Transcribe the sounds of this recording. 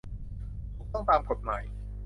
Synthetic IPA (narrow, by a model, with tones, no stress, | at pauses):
t̪ʰoː˨˩t̪ɔ˥˩ŋt̪aː˧mkʰo˨˩t̪̚maː˨˩˦j